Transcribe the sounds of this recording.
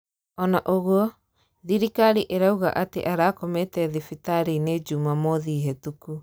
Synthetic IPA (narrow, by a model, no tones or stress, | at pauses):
ɔnaʔoɣwɔ | ðiɾikaɾiʔeɾauɣa̰ʔatḛʔaɾaːkometɛðifitaɾined͡ʒumamɔðiɦɛtuku